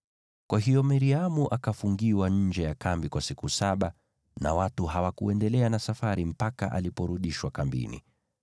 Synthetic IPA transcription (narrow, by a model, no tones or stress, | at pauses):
kwaɦijɔmaɾiamuʔakafuŋɡiwaɲ̩d͡ʒɛjakambikwasikusaɓa | na̰watuɦawakuɛndɛlɛanasafaɾim̩paka̰ʔalipɔɾuɗiʃwakambḭnḭ